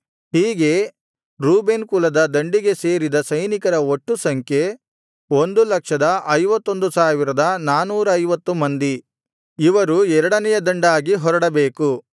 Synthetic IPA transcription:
hiːɡe̞ | ɾuːbenkulɐd̪ɐd̪ɐɳɖiɡe̞se̞ːɾid̪ɐsɐjnikɐɾɐoʈːusɐŋkʰje | o̞nd̪ulɐkʂɐd̪ɐʔɐjʋɐt̪ːo̞nd̪usaːʋiɾɐd̪ɐnaːnuːɾɐɐjʋɐt̪ːumɐnd̪i | iʋɐɾuɛɾɐɽɐnɛjɐd̪ɐɳɖaːɡiɦɔɾɐɽɐbeːku

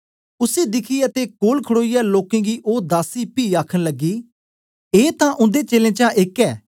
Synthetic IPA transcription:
ʊsed̪ɪkʰiːət̪ekoːlkʰəɽoːijaːloːkẽɡiːʔoːd̪aːsiːpiːaːkʰənləɡːiː | eːt̪ãʔʊ̃nd̪et͡ʃeːlẽːt͡ʃãʔɪkɛː

